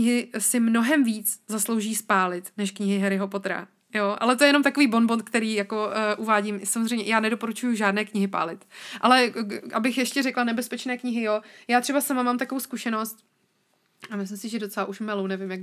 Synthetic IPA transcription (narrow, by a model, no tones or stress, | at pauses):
ɲɪɦɪsɪmno̞ɦɛmviːt͡szaslo̞wʒiːspaːlɪt̪nɛʃkɲɪɦɪɦɛɾɪɦo̞pot̪ɾa̰ | joʔa̰lɛt̪oɛjɛnomt̪ako̞viːbo̞nbont̪̚kt̪ɛɾiːjako̞ʔuvaːɟiːmsamozrɛjmɲɛjaːnɛdo̞po̞ɾut͡ʃujuʒaːdnɛːkɲɪɦɪpa̰ːlɪt̪ʔalɛʔabɪxjɛʃcɛɾɛklanɛbɛspɛt͡ʃnɛːkɲɪɦɪjojaːt̪r̥ɛbasamamaːmt̪akovowskuʃɛno̞st̪̚ | amɪslɪmsɪʒɛdo̞t͡sɛlaʔuʃmalownɛvɪmjak